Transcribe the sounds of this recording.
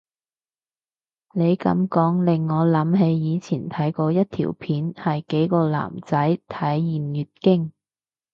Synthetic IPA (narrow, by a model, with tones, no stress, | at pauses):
ne˨˧jkɐ̰˨˥mkɔː˨˥ŋlɪ˨ŋːɔː˨˧lɐ˨˧˥mɦe˨˧jjiː˨˧t͡sʰiː˨˩nt̪ʰɐ˨˥jkɔː˧jɐ˥t̚t̪ʰḭː˨˩wpʰiː˨˥nhɐ˨jke˨˥jkɔː˧la̰ː˨˩mt͡sɐ˨˥jt̪ʰɐ˨˥jːiː˨˩mjyː˨t̚kɪ˥ŋ